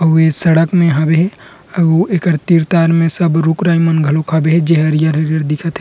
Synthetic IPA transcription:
ɐesɐɽəkmẽɦabeɦɛ | ɐoekəɾt̪iːɾt̪aːɾmẽsɐbɾukɾaːimɐnɡʱɐlokʰabeɦɛd͡ʒeɦɐɾijəɾɦɐɾijəɾd̪ɪkʰət̪ɦe

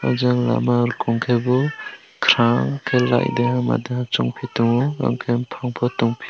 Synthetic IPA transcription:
a̰zaŋla̰maɾkʰɔŋkʰebɔ | kʰɾaŋkʰelːa̰jdeɦama̰deɦat͡ʃɔŋpʰituŋɔa̰ŋkʰempʰaŋpʰɔtɔŋpʰi̥

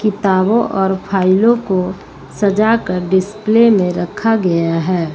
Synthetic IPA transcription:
kɪt̪aːbõʔɔːɾpʰaːɪlõko | səd͡ʒakəɾɖɪsplemẽɾəkʰaɡɐjaɦɛː

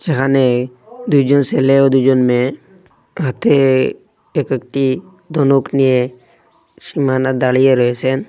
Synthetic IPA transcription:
d͡ʒeɦane | d̪ujd͡ʒɔnseleod̪ud͡ʒɔnme | at̪ʰe | ekekʈi | d̪ɔnoknije | simanad̪aɽijeɾɔesɛn

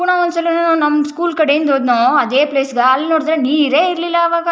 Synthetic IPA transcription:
uɳɐond̪sɐlːinɐnaːnɐmːɐskuːlkɐɽejind̪oːd̪naːɐd̪eːpleːsɡɐɐlːinoːɽd̪ɾeniːɾeːiɾlilːɐːʋaːɡɐ

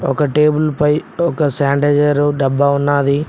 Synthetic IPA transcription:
ɔkɐʈeːbulpɐjɔkɐsaːɳɖeːd͡ʒɐɾuɖɐbːaunːaːd̪i

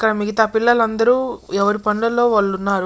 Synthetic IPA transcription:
kːɐɾɐmiɡɐt̪aːpilːɐlɐnd̪ɐɾuːɛʋɐɾipɐɳlɐlo̞ːʋɐɭːunːaːɾu

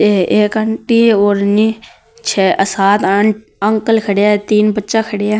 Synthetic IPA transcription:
eeːkəɳʈioːɾni | t͡ʃʰɛːʔəsaːt̪ə | əŋkəlkʰəɽejaːt̪iːnbətːʃakʰəɽejaː

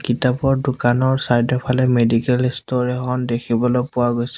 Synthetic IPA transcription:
kitapɔɹdʊkanɔɹsajdɔpʰalɛmedikɛlistoɹiɦɔndekʰibɔlojpʊwaɡojsɛ

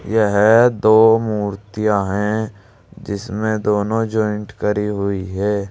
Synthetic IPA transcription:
jɛɦɛd̪oːmuːɾt̪ijaɦɛ̃ | d͡ʒɪsmẽd̪oːnõd͡ʒɔːɪ̃ɳʈkəɾiɦʊiɦɛː

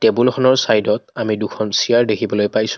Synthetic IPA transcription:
tebulxʰɔnɔɹsajdɔtamidukʰɔnsiaɹdekʰibɔlojpajsʊ̥

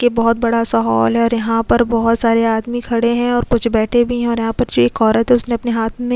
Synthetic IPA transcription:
kebɔɦʊt̪̚bɐɽasɔɦa̰ːlɦɛɔːɾjɐɦãpɐɾbɔɦʊt̪saːɾeaːd̪mikʰɐɽeɦɛ̃ɔːɾkʊt͡ʃʰbɛːʈʰebʱiɦɛ̃ɔːɾjɐɦãpɐɾd͡ʒoːeːkɔːɾɐet̪ʰeʊsneɐpneɦaːt̪ʰmẽ

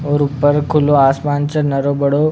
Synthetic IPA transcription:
oɾupːəɾkʰuloasmant͡sənəɾobəɽo

